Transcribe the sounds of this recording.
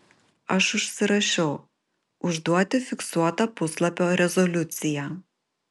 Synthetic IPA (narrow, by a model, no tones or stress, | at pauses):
ɐʃʊʃʲsʲɪɾɐʃʲɛʊ | ʊʒd̪uɔt̪ʲɪfʲɪksuɔt̪ɐpʊslˠɐpʲoːɾʲɛzɔlʲʊt̪sʲɪjæː